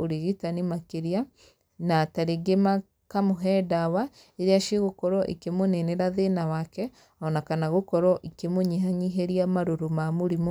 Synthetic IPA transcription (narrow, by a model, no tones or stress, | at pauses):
oɾeɣitanimakeɾia | nataɾeɡema | kamoɦɛdawa | eɾeaʃeɣokɔɾɔʔḭkemoneneɾaðenawakɛ | ɔnakanaɣokɔɾɔʔikemoɲiɦaɲiɦeɾiamaɾoɾomamoɾim